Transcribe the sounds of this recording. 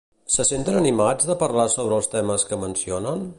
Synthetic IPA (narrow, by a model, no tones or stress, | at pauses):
səsent̪ənənimad͡zðəpərlasoβɾəːlˠst̪ɛməskəmənsionən